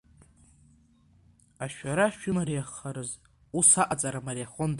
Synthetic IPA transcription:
aʃᶣaɾaʃᶣʏmaɾejaχːaɾɨz | usaʔʼat͡sʼaɾamaɾeaχond

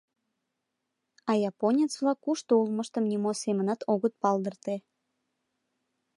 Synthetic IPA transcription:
ɑjɑponʲet͡sβlɑkːuʃt̪oulməʃt̪əmnimosemə̆nɑt̪oɣət̪̚pɑld̪ərt̪e

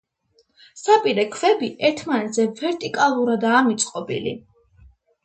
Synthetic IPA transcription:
sapʼiɾɛkʰvɛbiʔɛɾt̪ʰmanɛt̪zɛvɛɾt̪ʼikʼalˠuɾad̪aːmit̪sʼqʼɔbḭlḭ

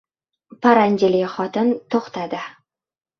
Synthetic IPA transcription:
pʰaɾand͡ʒɪlɪχɒt̪ɪnt̪ʰoχt̪ʰad̪ɪ

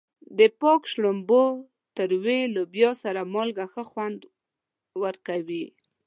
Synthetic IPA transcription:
d̪əpɔkʃɽombo | t̪əɾwelobjɑsaɾamolɡaxəxwand̪ | wəɾkawi

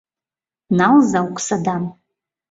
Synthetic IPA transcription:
nalzawkʷʼʰsadan

